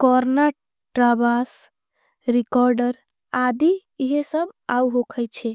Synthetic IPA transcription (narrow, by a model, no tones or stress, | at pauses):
kɔɾna | ʈɾabas | ɾikɔɾɖəɾ | ad̪iiɦesəbauɦokʰəjt͡ʃʰɛ